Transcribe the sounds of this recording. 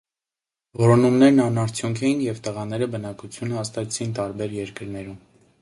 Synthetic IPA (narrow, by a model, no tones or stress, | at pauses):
vɔɾɔnumnɛɾnɑnɑɾt͡sʰjuŋkʰɛjinjɛvt̪əʁɑn̪ɛɾəbənɑkut͡sʰjunhɑst̪ɑt͡sʰint̪ɑɾbɛɾjɛɾkəɾnɛɾum